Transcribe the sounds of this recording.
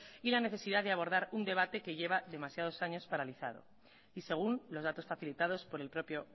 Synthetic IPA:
ilane̞θe̞siðaðeaβ̞o̞ɾð̞aɾund̪e̞β̞at̪e̞ke̞ʝe̞β̞aðe̞masjað̞o̞saɲo̞spaɾaliθa̰ð̞o̞̰ | ise̞ɣ̞unlo̞zðat̪o̞sfaθilit̪að̞o̞spo̞ɾe̞lpɾo̞pjo̞

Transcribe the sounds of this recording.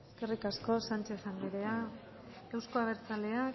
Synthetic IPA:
eske̞rikasko̞sant͡ʃe̞ːsaŋɡeɾe̞a | ewsko̞aβe̞ɾt͡sale̞ak

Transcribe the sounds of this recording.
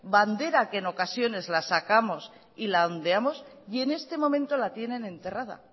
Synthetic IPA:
band̪e̞ɾakeːno̞kasjo̞ne̞zlasakamo̞s | ilaond̪e̞amo̞s | e̞ne̞st̪e̞mõ̞mẽnt̪o̞lat̪je̞nẽ̞nẽ̞nt̪e̞rað̞a̰

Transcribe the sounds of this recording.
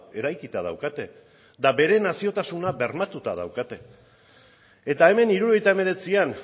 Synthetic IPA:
e̞ɾajkit̪að̞a̰wkat̪e̞ | d̪abe̞ɾe̞nasio̞t̪asunabe̞ɾmat̪ut̪aða̰wkat̪e̞ | et̪ae̞me̞niɾuɾo̞ejt̪aeme̞ɾe̞t͡sian

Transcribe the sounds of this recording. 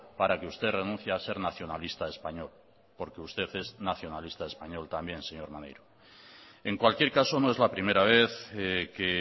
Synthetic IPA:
paɾake̞ust̪e̞ðre̞nũnθjease̞ɾnaθjo̞nalist̪ae̞spaɲo̞l | po̞ɾkeust̪e̞θe̞znaθjo̞nalist̪ae̞spaɲo̞lt̪ambje̞nse̞ɲo̞ɾmanḛjɾo | e̞ŋkwalkje̞ɾkaso̞noe̞zlapɾime̞ɾaβ̞e̞θeke

